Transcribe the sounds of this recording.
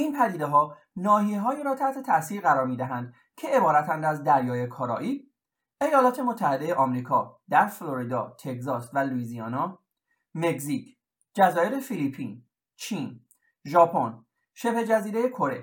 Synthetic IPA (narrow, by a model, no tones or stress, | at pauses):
ʔinpʰæd̪iːd̪eɦɒː | nɒːhiɦɒːiːɾɒːt̪ʰæht̪ʰe̞t̪ʰæsiːɾɣæɾɒːɾmiːd̪æɦænd̪̥ | cʰe̞ebɒːɾæt̪ʰænd̪æzd̪æɾjɒːjekʰɒɾɒ̰ːʔiː | e̞jɒːlɒːt̪ʰe̞mot̪ʰːæhe̞d̪e̞jeʔɒːmɾiːkʰɒːd̪æɾfloɾid̪ɒːt̪ʰe̞ɡzɒːsvæluiːziɒːnɒ | meɡzicʰ | d͡ʒæzɒːjeɾe̞filipʰin | t͡ʃʰiːn | ʒɒːpʰon | ʃe̞bhed͡ʒæziːɾeje̞kʰo̞ɾe̞̰